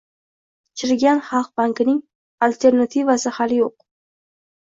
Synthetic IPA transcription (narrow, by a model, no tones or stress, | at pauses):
t͡ʃʰɪɾɡʲanχɑlˠq̚baŋkɪnɪŋ | alʲt̪ʰe̞ɾnat̪ʰivasɪhalɪjoq̚